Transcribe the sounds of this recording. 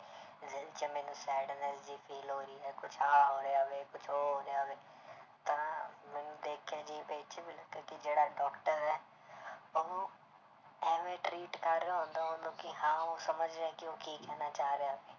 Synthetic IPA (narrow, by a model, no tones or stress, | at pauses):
zɪlt͡ʃəmɛːnũːsɛːɖnɛːsd͡ʒiːpʰiːlɦoːɾiːɦɛːkʊt͡ʃʰaːɦoːɾeaːʋeːkʊt͡ʃʰɦoːɦoːɾeaːʋeː | t̪ãːmɛːnũːd̪eːkʰaːd͡ʒiːbeːt͡ʃbiːləkːɛːkɪd͡ʒeːɽaːɖɔːkʈəɾɛː | oo | ɛːʋeːʈɾiːʈkəɾːeɦõːnd̪aːɦoːnd̪õːkɪɦãːõːsəməd͡ʒɾeɛːkɪoːkiːkɛːnaːt͡ʃaːɾejaːʋeː